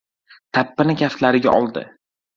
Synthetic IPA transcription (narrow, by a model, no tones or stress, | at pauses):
t̪ʰapːɪnɪkʲʰaft̪laɾɪɡʲa̰ʔɒlˠd̪ɪ̰